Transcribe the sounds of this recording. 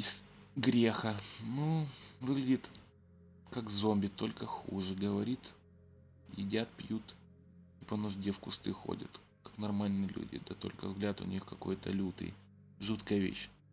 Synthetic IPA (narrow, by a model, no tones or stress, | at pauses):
ɪs | ɡɾʲexənuvɨɡlʲɪdʲɪt̪ | kakzombʲɪt̪ːo̞lʲkəxṵʐɨɡəvɐɾʲit̪ | jɪ̰dʲat̪̚pjut̪ | ipənʊʐdʲefkʊst̪ɨ̰xo̰dʲə̰t̪ | kḁknɐrmalʲnɨjəlʲṵdʲɪ̰d̪ɐt̪o̞̰lʲkə̰vzɡlʲat̪ʊ̰nʲʔixkɐko̞̰jt̪əlʲut̪ɨ̰j | ʐut̪kəjəvʲḛɕ